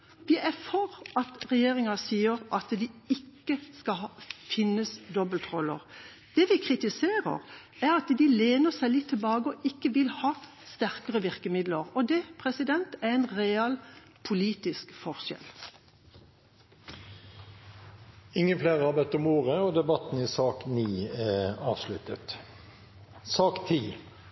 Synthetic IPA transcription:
ʋɪʔæfɔʁɑt̪ʁɛjeːʁɪŋɑsiːəʁʔɑt̪d̪ɪɪkːəskɑɑfɪnːəsd̪ɔbəlt̪ʁɔlːə̰ʁ | d̪̥ɛʋɪkʰʁɪt̪ɪseːʁə̰ʁ | æʁɑt̪d̪ɪleːnəsæɪlɪt̪ʰːɪlbɑːɡəɔʔɪkːəʋɪlhɑː | st̪æʁkəʁəʋɪʁkəmɪd̪ləʁɔd̪ɛpʰʁɛsɪd̪ɛnt̪æʁɛɪnʁɛɑl | pʰʊliːt̪ɪskfɔʁʃɛ̰l | ɪŋːənfleːʁəhɑbɛt̪ːɔmoːʁəɔd̪ɛbɑt̪n̩ɪsɑːkniːɛɑ̰ːʋslʉt̪ət̪ | sɑːkt̪ʰiː

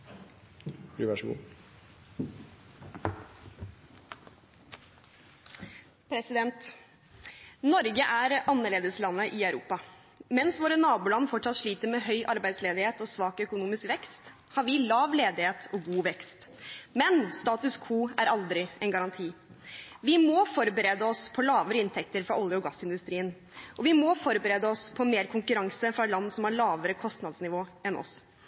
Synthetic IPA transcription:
ʋɑʂɡṵː | pʰɾɛsɪd̪ɛnt̪ | nɔɾɡəʔæɾɑnːəɭeːd̪əslɑnːəʔɪɑʉɾṵːpɑ | mɛnsʋoːɾənɑːbuːlɑnːfɔʈʂɑt̪ʂɭiːt̪əɾmeːɦœʏʔɑɾbæɪd̪sleːd̪ɪheːt̪ɔːsʋɑːkœkʊnuːmɪskʋɛkst̪ | hɑɾʋɪlɑːʋleːd̪ɪheːt̪ʰɔɡuːʋɛkst̪mɛnst̪ɑːt̪ʉskʰuːæɾɑld̪ɾɪɛɪnɡɑɾɑnt̪ʰiː | ʋɪmɔfɔɾbəɾeːd̪əɔspʰɔlɑːʋəɾəɪnt̪ʰɛk̚t̪əɾfɾɑ̰ɔljəɔɡɑsːɪnd̪ʉst̪ɾiːən | ʔɔʋɪmɔfɔɾbəɾeːd̪əɔspʰɔmeːɾkʰʊŋkʉɾɑŋsəfɾɑlɑnːsɔmhɑɭɑːʋəɾəkʰɔst̪nɑd̪snɪʋoːɛnɔ̰s

